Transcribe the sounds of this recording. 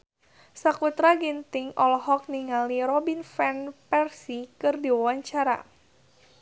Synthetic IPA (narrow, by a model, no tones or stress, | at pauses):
sakut̪ɾaɡint̪ɪŋɔlɦɔk̚niŋaliɾɔbinfɛnpɛrsikɨrdiwawaɲt͡ʃaɾa̰